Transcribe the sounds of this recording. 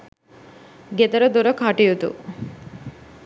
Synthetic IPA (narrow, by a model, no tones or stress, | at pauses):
ɡet̪ɐɾəd̪oɾəkʰaʈijut̪ṵ